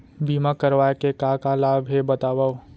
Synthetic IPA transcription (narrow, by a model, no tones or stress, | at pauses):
biːmakɐɾʋaːekekaːkalaːbɦebɐt̪aːwao